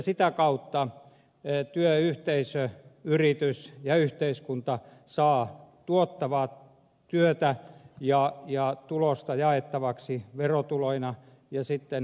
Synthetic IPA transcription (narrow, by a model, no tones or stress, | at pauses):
sit̪ækɑut̪ːɑ | t̪yøyht̪eisøyrit̪ysjɑyht̪eiskunt̪ɑsɑːt̪uot̪ːɑʋɑː | t̪yøt̪æjɑjɑt̪ulost̪ɑjɑet̪ːɑʋɑksiʋerot̪uloinɑ | jɑsit̪ːen